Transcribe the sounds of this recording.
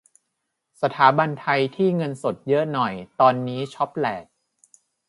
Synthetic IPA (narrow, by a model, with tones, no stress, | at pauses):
sa˧t̪ʰaː˩˦ba˧nt̪ʰa˧jt̪ʰiː˥˩ŋɤ˧nso˨˩t̪̚jɤ˦˥nɔ˨˩jt̪ɔː˧nːiː˦˥t͡ɕʰɔ˦˥p̚lɛː˨˩t̪̚